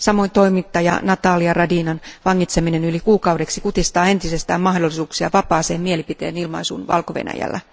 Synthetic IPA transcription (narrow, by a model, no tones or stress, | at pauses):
sɑmo̞int̪o̞imit̪ːɑjɑ̰nɑt̪ɑːliɑrɑdiːnɑnʋɑŋːit̪seminenylikuːkɑuwɾeksikut̪ist̪ɑːe̞nt̪isest̪æːmmɑhdolːˑisuːksiɑʋɑpɑːseːmmielipit̪ḛːnilmɑisṵːnʋɑ̰lkoʋḛnæ̰jæ̰lːæ̰